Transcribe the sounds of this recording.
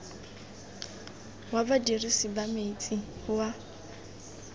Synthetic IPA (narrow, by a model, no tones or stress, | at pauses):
wabadirisibamet͡sʼihʊwa